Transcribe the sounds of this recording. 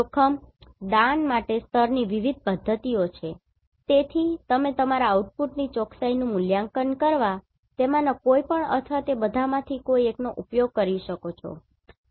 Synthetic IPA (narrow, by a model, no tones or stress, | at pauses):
okʰəmd̪ãnmaʈest̪ʰəɾniʋiʋid̪̚ʱpəd̪ʱːət̪iot͡ʃʰe | t̪et̪ʰit̪əmet̪əmaɾaːuʈ̚puʈnit͡ʃɔksainũmʊljaŋkənkəɾʋa | t̪emãnakoipəɳə̰t̪ʰʋat̪ebəd̪ʱamãt̪ʰikoieknoʔupjoɡ̚kəɾiʃəkot͡ʃʰɔ̰